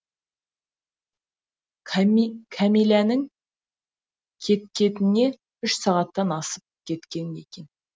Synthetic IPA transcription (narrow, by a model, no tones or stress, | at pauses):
kʲʰamilʲanɪŋ | kʲʰe̞t̪̚kʲe̞t̪ɪne̞ | ʏʃsɑʁɑt̪ːɑnɑsəp̚kʲʰe̞t̪kʲe̞ne̞̰kʲe̞n